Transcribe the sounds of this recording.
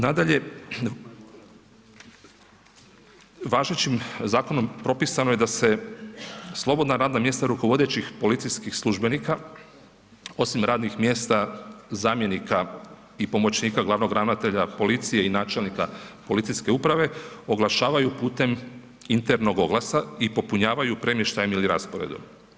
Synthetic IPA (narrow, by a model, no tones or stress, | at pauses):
nad̪aʎe̞ | ʋaːʒnet͡ɕimzaːko̞no̞mpɾo̞pisanoje̞d̪ase̞ | slˠo̞bo̞d̪naɾaːd̪namje̞st̪aɾuko̞ʋo̞d̪e̞t͡ɕixpo̞lit̪sijskixslˠuʒbe̞nika | o̞simɾaːd̪nixmje̞ːst̪azaːmje̞nika | ipo̞mo̞t͡ɕniːkaɡlˠaʋno̞ɡɾanat̪e̞ʎapo̞lit̪sijeinaːt͡ʃe̞lnikapo̞lit̪siske̞upɾaʋe̞o̞ɡlˠaʃaːʋajupuːt̪e̞m | int̪eɾno̞ɡo̞ɡlasaipo̞puɲaːʋajupɾe̞mje̞ʃt̪ajemiliɾaspoɾḛd̪o̰m